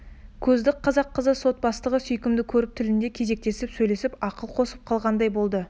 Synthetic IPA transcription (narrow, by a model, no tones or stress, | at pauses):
kʲʰɵzd̪ɪk̚qʰːɑzɑqːəzəso̞t̪̚bɑst̪ˠəʁəsɵjkʲɪmd̪ɪkʲʰɵɾɪp̚t̪ʰɪlɪnd̪e̞kʲʰe̞ze̞k̚t̪e̞sɪpsɵjle̞sɪpɑqəlˠqʰo̞səp̚qʰɑlˠʁɑnd̪ɑjbo̞lˠd̪ə